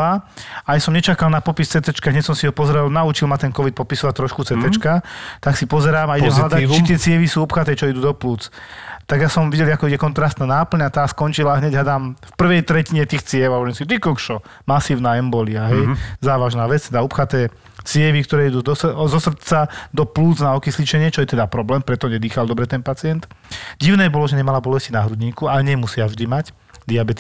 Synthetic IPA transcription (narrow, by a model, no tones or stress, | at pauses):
aajsɔmɲɛt͡ʃakalnapɔpist͡sɛt̪ɛt͡ʃkaɦɲɛcsɔmsiɦɔpɔzɾɛlnaut͡ʃilmat̪ɛnkɔʋit̪̚pɔpisɔʋac̚t̪ɾɔʃkut͡sɛt̪ɛt͡ʃkat̪aksipɔzɛɾaːmaiɟɛmɦlad̪at͡ʃit̪ɪɛt͡sɪɛʋisuːupxat̪ɛːt͡ʃɔid̪uːd̪ɔpluːt͡st̪aɡjasɔmʋiɟɛliakɔiɛkɔnt̪ɾast̪naːnaːpl̩ɲat̪aːskɔnt͡ʃilaɦɲɛɟɦad̪aːmfpr̩ʋɛjt̪ɾɛciɲɛt̪iːxt͡sɪɛʋaɛnskit̪ikɔkʃɔ | masiːʊnaːɛmbɔliaɦɛjzaːʋaʒnaːʋɛt͡st̪ɛd̪aɔpxat̪ɛː | t͡sɪɛʋikt̪ɔɾɛːid̪uːzɔsr̩t͡sad̪ɔpluːt͡snaɔkislit͡ʃɛɲɪɛt͡ʃɔjɛt̪ɛd̪apɾɔblɛːmpɾɛt̪ɔɲɛd̪iːxald̪ɔbɾɛt̪ɛnpat͡sɪɛnt̪ɟiʊnɛːbɔlɔʒɛɲɛmalabɔlɛscinaɦɾud̪ɲiːkuaɛɲɛmusɪavʒd̪imac | d̪iabɛt̪i